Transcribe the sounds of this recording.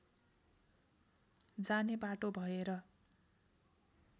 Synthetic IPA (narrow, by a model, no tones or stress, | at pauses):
d͡zanebaʈobʱʌeɾʌ